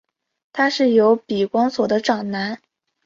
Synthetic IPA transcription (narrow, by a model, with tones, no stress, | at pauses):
t̪ʰa˥ʂɻ̩˥˩jo˧˥ʊpi˨˩kwɑ˥ŋswɔ˨˩d̪ə˦ʈ͡ʂɑ˨˩ŋna˧˥n